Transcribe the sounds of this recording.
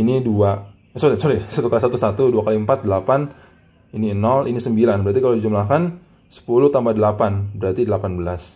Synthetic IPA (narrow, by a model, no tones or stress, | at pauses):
inidua | əsoliəsulisat̪ukalisat̪usat̪uduakaliəmpat̪̚dəlapan | iniənɔlʔinisəmbilanbəɾaɾt̪ikaladid͡ʒumlahkan | sə̥puluht̪ambadəlapanbəɾart̪idəlapanbəlas